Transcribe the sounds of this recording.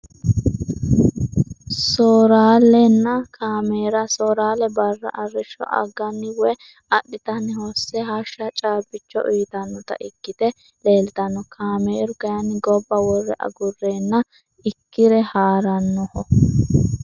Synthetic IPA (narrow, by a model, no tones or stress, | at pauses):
soːɾaːlɛnːɐkʰaːmeːɾɐsoːɾaːlɛbɐrːɐ̰ʔɐrːɪʃːɔ̰ʔɐ̰ɡːɐnːɪwɛ | ɐɗːɪt̪ɐnːɪhɔsːɛɦɐʃːɐt͡ʃʼaːbɪt͡ʃːɔ̰ʔiːt̪ɐnːɔt̪ɐ̰ʔɪkːɪt̪ɛ | le̞ːlt̪ɐnːɔkʰaːmeːɾʊɡɐjɐnːɪɡɔbːɐwɔrːɛ̰ʔɐ̰ɡʊrːeːnːɐ | ɪkːɪɾɛhaːɾɐnːɔhɔ